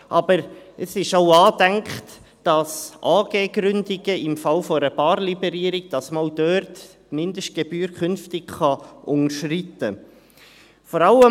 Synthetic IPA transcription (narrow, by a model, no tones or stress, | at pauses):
ʔɑbəɾəsɪʃoʊɑːdæŋkχt | d̥ɑsʔɑːɡ̥eːɡɾʏndɪɡəɪmfɑlfɔɾəbɑːɾlibɛɾiːɾiɡ̥̚d̥ɑsmaʊd̥œːɾt | mɪndəʃt̚ɡ̥ɛbyːɾkχʏnftɪɡχɑʔʊŋəʃritə | fɔɾɑlə